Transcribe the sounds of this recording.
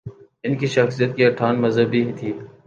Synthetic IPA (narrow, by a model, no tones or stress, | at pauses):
ɪnkiʃəxsijət̪̚kiɐʈʰaːnməzɦəbʱiɦit̪ʰiː